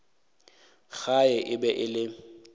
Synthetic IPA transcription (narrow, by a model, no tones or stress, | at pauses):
ɣaɛʔɪbɛʔɪlɪ